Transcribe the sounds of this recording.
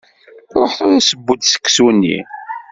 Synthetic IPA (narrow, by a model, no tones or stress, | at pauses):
ɾˤoħθʊɾæsəbːud̪sə̥kːsunːḭ